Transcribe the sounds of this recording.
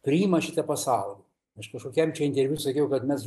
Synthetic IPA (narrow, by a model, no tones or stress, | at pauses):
pʲɾʲɪiːmɐʃʲɪt̪ɐpɐsɑˑʊlʲi | ɐʃkɐʃkoːkʲɛmt͡ʃʲɛɪnʲt̪ʲɛɾʲʋʲjusɐkʲɛʊkɐt̪mʲɛs